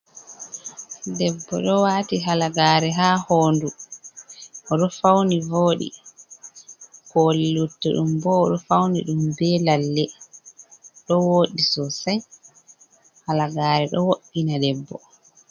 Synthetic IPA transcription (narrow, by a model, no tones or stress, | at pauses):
dɛbːɔ̰ɗɔwaːtiɦalaɡaːɾɛɦaːhoːndu | ʔɔɗɔfawnivoːɗḭ | kɔlːutːɛɗumbɔːɗɔfawniɗumbɛlalːɛ | ɗɔwoːɗisɔsɛn | halaɡaːɾɛɗɔwoɗːinadɛbːɔ